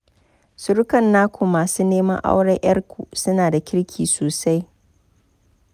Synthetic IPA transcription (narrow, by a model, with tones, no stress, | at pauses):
sʊ˦ɾkɐ˨nːaː˦kʷʰʊ˨maː˨suː˦neː˦mɐ˦ʔa̰˦wɽɐ˦ʔj̰ɐ˦rkʷu˨sʊ˦naː˨da˨kʲɪ˦ɽkʲʰiː˨soː˨sa˦j